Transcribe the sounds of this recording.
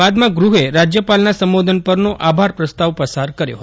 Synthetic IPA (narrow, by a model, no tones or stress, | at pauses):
ad̪mãɡɾuɦeɾad͡ʒjəpalnasəmʋod̪ʱənpəɾnoʔabʱaɾpɾəst̪aʋpəsaɾkəɾjo̰ɦət̪